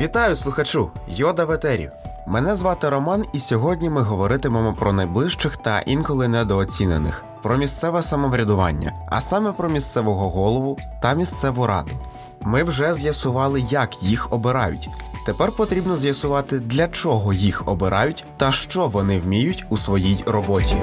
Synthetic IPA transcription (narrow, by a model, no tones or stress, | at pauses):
ʋʲit̪ɑjʊslˠʊxɐt͡ʃujɔd̪ɐʋet̪ɛɾʲḭwmɛnɛzʋɑt̪ɪɾɔmɑnisʲɔɦɔdʲnʲimɪɦɔʋɔɾɪt̪ɪmɑmɔpɾɔnɐjblˠɪʃt͡ʃɪxt̪ɐ̰ʔinkɔlˠɪnɛd̪ɔːt͡sʲinenɪ̰x | pɾɔmʲist̪sɛʋɛsɐmɔʋɾʲɐd̪ʊʋɑ̰nʲːɐ̰ɐ̰sɑmɛpɾɔmʲist̪sɛʋɔɦɔɦɔlˠɔʋʊt̪ɐmʲist̪sɛʋɔɾɑ̰d̪ʊ | mɪwʒɛzʲjɐsʊʋɑlˠɪjɐkjixɔbɪɾɑjʊ̰tʲt̪epɛrpɔt̪ɾʲibnɔzʲjɐsʊʋɑt̪ɪd̪lʲɐt͡ʃɔɦɔjixɔbɪɾʔɑ̰jʊtʲt̪ɐʃt͡ʃɔʋɔnɪwmʲijʊtʲusʋɔjijrɔbɔtʲḭ